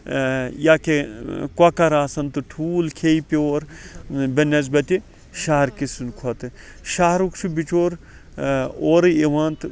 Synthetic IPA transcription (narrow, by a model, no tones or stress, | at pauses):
jakekwɐkɐɾaːsɐnt̪uʈʰuːlkʰeːipʲoːɾbɐnɐzbɐt̪ʲi | ʃaːɦɾkisunkʰɐt̪ɨ | ʃaːɾukt͡ʃʰubit͡ʃoːɾ | oːɾɨeʋaːnt̪